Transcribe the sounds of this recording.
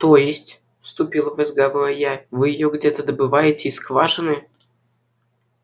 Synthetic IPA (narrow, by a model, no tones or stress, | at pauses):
t̪ojɪsʲtʲ | fst̪upʲilˠəvəzɡavojavɨjɪjoɡdʲet̪əd̪əbɨvɑjɪtʲɪiskvɑʐɨnɨ